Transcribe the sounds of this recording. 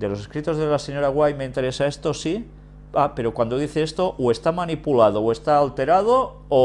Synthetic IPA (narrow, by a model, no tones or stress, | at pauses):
d̪elo̞seskɾit̪o̞zðelase̞ɲo̞ɾaɣwajmeint̪e̞ɾe̞saest̪o̞si | ape̞ɾo̞kwand̪o̞ðiθeest̪o̞ʔwe̞st̪amanipulað̞owest̪aːlt̪e̞ɾað̞o | o